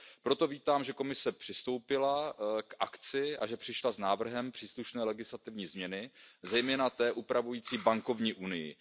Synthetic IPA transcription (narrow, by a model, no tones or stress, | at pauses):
pɾo̞t̪o̞viːt̪aːmʒɛko̞mɪsɛpr̥ɪst̪o̞wpɪlakʔakt͡sɪʔaʒɛpr̥ɪʃlaznaːvr̩ɦɛmpr̥iːsluʃnɛːlɛɡɪslat̪ɪvɲiːzmɲɛnɪzɛjmɛːnat̪ɛːʔupɾavujiːt͡siːbaŋko̞vɲiːʔunɪjɪ̰